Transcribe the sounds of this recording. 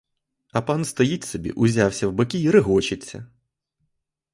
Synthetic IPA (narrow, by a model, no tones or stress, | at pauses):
ɐpɑnst̪ɐjitʲsɔbʲḭʔʊzʲawsʲɐwbɐkʲiːɾɪɦɔt͡ʃɪt͡sʲːɐ̰